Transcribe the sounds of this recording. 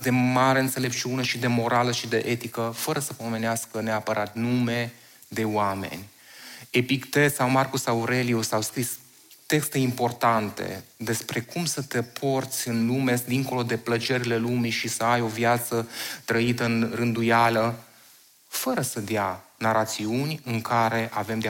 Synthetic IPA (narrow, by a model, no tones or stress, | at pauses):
d̪e̞maɾeɨnt̪se̞le̞p̚t͡ʃiune̞ʃid̪e̞mo̞ɾaləʃid̪e̞ʔe̞t̪ikəfəɾəsəpo̞me̞neaskəneapəɾʔat̪nume̞ | d̪e̞wame̞̰nʲ | e̞pikt̪esawmarkusawɾeliusawskɾis | t̪e̞kst̪e̞impo̞rt̪ant̪e̞̰d̪e̞spɾe̞kumsət̪e̞pʰo̞rt̪sʲɨnlume̞d̪iŋko̞lo̞d̪e̞plət͡ʃe̞ɾile̞lumiʃisəajo̞vjat̪sət̪ɾəit̪ənrɨnd̪ujalə | fəɾəsəd̪janaɾat̪siunʲɨŋkaɾe̞ʔave̞md̪e